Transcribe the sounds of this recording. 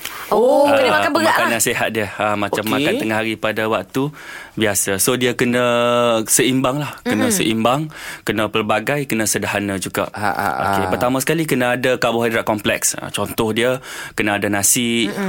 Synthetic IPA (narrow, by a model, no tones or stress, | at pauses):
oaaanbəɣaʔanasiɦat̪̚diəəmãt͡ʃammːakant̪əŋahɦaɾipadawak̚t̪u | biasasodiəkənəsəimbaŋlahkənə̃səʔimbaŋkənəpərbaɡajkənə̃sədaɦanãd͡ʒuɡa̰ʔo̰kepərt̪amãsə̥kalikənəːdakabʊhɦadɾaʔkɔmplɛ̰ksə̰t͡ʃɔnt̪ɔhdiəkənaːdanãsɪʔ